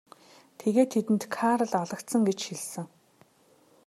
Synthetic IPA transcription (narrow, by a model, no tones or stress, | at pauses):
t̪ʰeɣeːt̪ʰːet̪ɘ̆nt̪kʰaɾə̆ɮɔɮə̆kt̪sə̆ŋɡet͡ɕxiɮsɘ̆ŋ